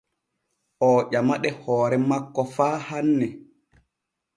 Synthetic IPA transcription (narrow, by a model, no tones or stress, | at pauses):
ʔɔːʄamaɗɛhɔːɾɛmakːɔfaːhanːɛ